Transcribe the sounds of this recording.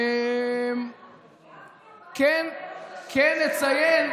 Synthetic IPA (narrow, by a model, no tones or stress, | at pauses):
m | kenkʰɛnːet͡sajen